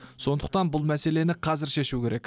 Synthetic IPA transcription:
so̞nd̪əq̚t̪ɑnbʊlˠmæse̞le̞nɪqʰɑzɪɾʃe̞ʃukʲʰe̞ɾe̞kʲ

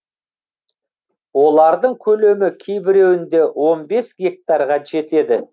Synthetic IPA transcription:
wo̞lˠɑɾd̪əɴkʲʰɵle̞mɪkʲʰe̞jbɪɾe̞wɪnd̪e̞wo̞nbe̞sɡʲe̞k̚t̪ɑɾʁɑʒe̞t̪e̞d̪ɪ

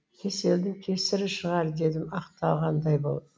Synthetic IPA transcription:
kʲʰe̞se̞ld̪ɪŋkʲʰe̞sɪɾɪʃəʁɑɾd̪e̞d̪ɪmɑqt̪ɑlˠʁɑnd̪ɑjbo̞lˠd̪

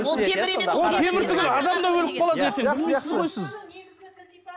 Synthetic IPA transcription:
wo̞lˠk̪ʲʰe̞mɪɾt̪ʰʏɡʲɪlɑd̪ɑmd̪ɑwɵlɪp̚qʰɑlˠɑd̪et̪eɪlmesɪzʁo̞jsəz

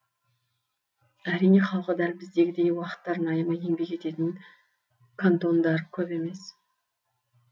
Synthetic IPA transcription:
æɾijne̞χɑlˠqəd̪ælʲbɪzd̪e̞ɡʲɪd̪e̞jwɑqə̥t̪ːɑɾnɑjəmɑje̞ŋbe̞kʲe̞t̪e̞t̪ɪŋ | kʰant̪o̞nd̪ɑɾkʲʰɵpe̞me̞s

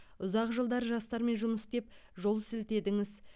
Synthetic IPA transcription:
ʊzɑqʒəlˠd̪ɑɾʒɑst̪ɑɾme̞nʒʊməsd̪e̞pʒo̞lˠsɪlt̪e̞d̪ɪŋɪz

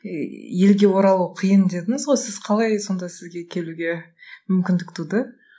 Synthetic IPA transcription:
je̞lɡʲe̞wo̞ɾɑlˠuwqʰijənd̪e̞d̪ɪŋɪzʁo̞jsɪz̥qʰɑlˠɑjso̞nd̪ɑsɪzɡʲe̞kʲʰe̞luɡʲe̞ | mʏmkʲɪnd̪ɪkt̪ʰud̪ə

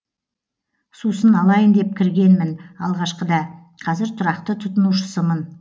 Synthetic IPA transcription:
susənɑlˠɑjənd̪e̞p̚kʲʰɪɾɡʲe̞nmɪnɑlˠʁɑʃqəd̪ɑ | qʰɑzɪɾt̪ʰʊɾɑqt̪ət̪ʰʊt̪ənuʃə̥səmən

